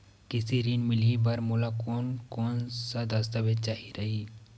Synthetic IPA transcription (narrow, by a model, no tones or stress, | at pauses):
kɪsiɾinmɪlibɐɾmʊlakoːnkɔːnsad̪ɐst̪abet͡ʃaːɦiɾɐɦiː